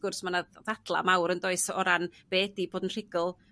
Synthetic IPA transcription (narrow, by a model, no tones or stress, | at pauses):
ɡ̥ʊrsmanaðadlˠa̰mawɾəndoɨsɔɾanb̥eːdiboːdənr̥ɪɡɔlˠ